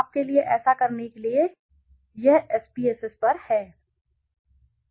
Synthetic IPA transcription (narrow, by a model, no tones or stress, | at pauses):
aːp̚kelieʔɛːsakɐɾnekelie | jɐɦɛːsbiːɛːsespɐɾhɛː